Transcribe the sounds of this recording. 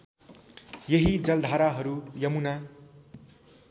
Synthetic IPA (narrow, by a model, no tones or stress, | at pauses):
jeɦid͡zʌld̪ʱaɾaɦʌɾujʌmuna